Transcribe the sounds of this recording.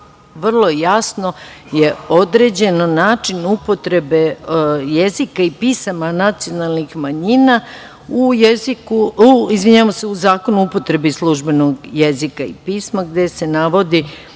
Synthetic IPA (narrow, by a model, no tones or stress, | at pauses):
ʋr̩lˠo̞jasno̞ | je̞o̞d̪ɾe̞d͡ʑe̞nonaːt͡ʃinupo̞t̪ɾe̞beje̞zikaipiːsamanat̪sijo̞nalˠnixmaɲina | ujezikuizʋiɲaʋamoseuzaːko̞nuupo̞t̪ɾe̞bislˠuʒbe̞noɡjezikaḭpiːsmaɡd̪e̞se̞naʋo̞d̪i